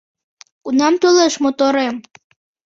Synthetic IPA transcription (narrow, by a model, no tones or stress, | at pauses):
unɑmt̪oleʃmot̪oɾem